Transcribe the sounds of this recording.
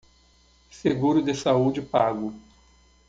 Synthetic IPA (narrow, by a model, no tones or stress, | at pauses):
seɡuɾʊd̪ɪsaud͡ʒɪpaɡʊ